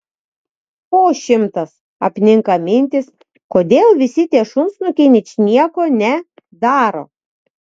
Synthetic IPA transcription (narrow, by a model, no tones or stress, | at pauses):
poːʃʲɪmt̪ɐs | ɐpʲnʲɪŋkɐmʲɪnʲt̪ʲɪs | koːd̪ʲeːlˠʋʲɪsʲɪt̪ʲiɛʃʊmsnʊkʲɪnʲɪt͡ʃʲnʲiɛkoːnʲɛ | d̪ɑːɾo̰ː